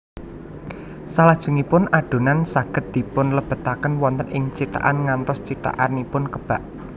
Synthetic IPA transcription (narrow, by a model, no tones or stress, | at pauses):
salad̥ʒ̥ṳŋipʊnʔaɖ̥o̤nansaɡ̥ə̤t̪̚d̪̥i̤pʊnləb̥ə̤t̪akənwɔnt̪ənɪŋt͡ʃit̪a̰ʔanŋant̪ɔst͡ʃit̪a̰ʔanipʊnkəb̥a̤ʔ